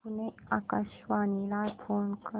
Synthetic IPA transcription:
une | akəʃʋanilafʰonkə

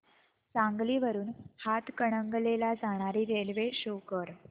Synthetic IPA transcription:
t͡sãŋɡliːʋəɾuːnhat̪kəɽ̃əŋɡlelad͡zaɽ̃aɾiːɾelʋeɕokəɾ

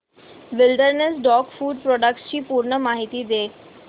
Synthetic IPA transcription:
ʋɪlɖəɾnesɖɔːkfuːɖpɾɔːɖək̚ʈst͡ɕiːpuːɾɳəmaːɦɪt̪id̪eː

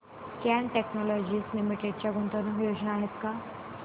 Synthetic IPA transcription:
kɛnʈeknɔlɔd͡ʑiːslimiʈeɖ̚t͡ɕjaɡont̪oɾuɦjod͡ʑnaːɦet̪ka

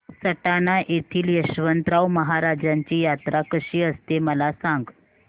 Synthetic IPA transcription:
səʈanaʔet̪ʰiːljəɕʋənt̪ɾawməɦaɾad͡ʑaɲt͡ɕiːjat̪ɾakəɕiːəst̪eməlasãŋɡ

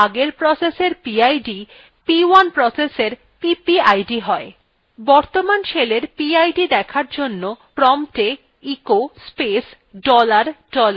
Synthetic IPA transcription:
aɡeɾpɾɔseseɾpiajɖi | piwanpɾɔseseɾ | pipiajɖiɦɔe | bɔɾt̪omanʃeleɾpiajɖid̪ɛkʰaɾd͡ʑonːopɾɔmʈe | ikospes | ɖɔlaɾɖɔl

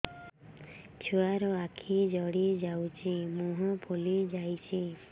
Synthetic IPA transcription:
t͡ʃʰuaɾɔakʰid͡ʒɔɽid͡ʒawt͡ʃʰimũɦɔpʰolid͡ʒajt͡ʃʰi

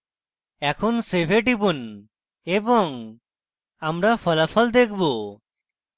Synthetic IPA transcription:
ɛkʰonsepʰeʈibun | ebɔŋ | amɾapʰɔlapʰɔld̪ekʰbo

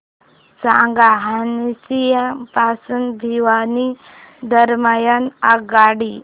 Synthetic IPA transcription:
sãɡaɦanisijapasunbʱiʋani | d̪ʱəɾmajənaɡaɽi

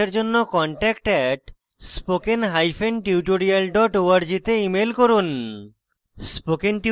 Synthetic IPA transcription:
eɾd͡ʑonːokɔɳʈɛkʈɛʈ | spokenɦajfʰenʈiuʈ̬oɾialɖɔʈoaɾd͡ʑit̪eimelkoɾun | spokenʈi

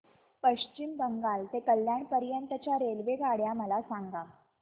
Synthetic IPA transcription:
pəɕt͡ɕimbəŋɡalt̪ekəljaɳpəɾjənt̪ət͡ɕjaɾelʋeɡaɽjaməlasaŋɡa

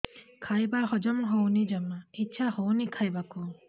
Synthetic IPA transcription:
kʰajbaɦɔd͡ʒɔmɦownid͡ʒamaitːsʰahownikʰajbaku

